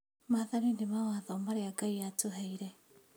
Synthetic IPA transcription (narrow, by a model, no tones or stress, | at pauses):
maðaɾindemawaðɔmaɾeaɡaiatoɦɛiɾɛ